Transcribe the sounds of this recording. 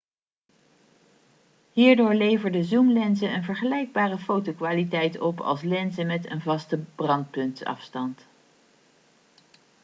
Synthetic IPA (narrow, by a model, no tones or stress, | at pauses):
ɦiːɹdʊːɹlejvəɹdəzumlɛnzəənvəɹχəlɛjɡ̚baːrəfowtokʋaːlitɛjtɔpɑ̰lˠslɛnzəmɛtə̰nvɑstəb̥rɑnt̚pɵntsɑ̰fstɑnt